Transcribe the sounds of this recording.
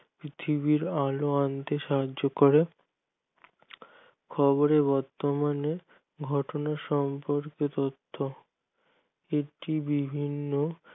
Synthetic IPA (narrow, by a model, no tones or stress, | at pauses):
pɾit̪ʰibiɾaloant̪eʃaɦad͡ʑd͡ʑokoɾe | kʰɔboɾebɔɾt̪omane | ɡʱɔʈonaʃɔmpoɾket̪ot̪ʰːo | eʈibibʱinːo